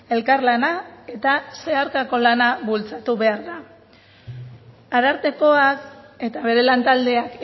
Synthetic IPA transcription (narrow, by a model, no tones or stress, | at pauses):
e̞lkaɾlanae̞t̪ase̞aɾkako̞lanaβult͡sat̪uβe̞aɾða | aðaɾt̪e̞ko̞ake̞t̪aβ̞e̞ɾe̞lant̪ald̪e̞ak